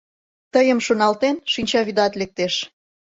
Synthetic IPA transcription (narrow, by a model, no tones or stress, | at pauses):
t̪əjəmʃonɑlt̪enʃinʲt͡ɕɑβid̪ɑt̪lek̚t̪eʃ